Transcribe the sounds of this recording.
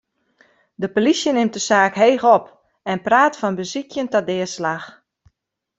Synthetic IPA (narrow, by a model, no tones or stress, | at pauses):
dəpolisjənɪmt̚dəsaːkɦeːɣɔp | ɛnpraːtfɔnbəzikʰjəntɔdɪəslax